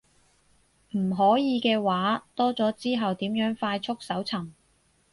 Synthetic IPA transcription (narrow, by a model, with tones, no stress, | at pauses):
m̩˨˩ɦɔː˨˥jiː˨˧kɛː˧waː˨˥t̪ɔː˥t͡sɔː˨˥t͡siː˥ɦɐ˨wt̪iː˨˥mjœː˨˥ŋfaː˧jt͡ʃʰʊ˥k̚sɐ˨˥wt͡sʰɐ˨˩m